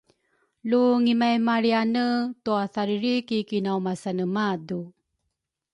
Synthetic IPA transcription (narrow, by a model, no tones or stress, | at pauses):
luŋimajmaɾianətuaθaɾiɾikikinawmasanəmadu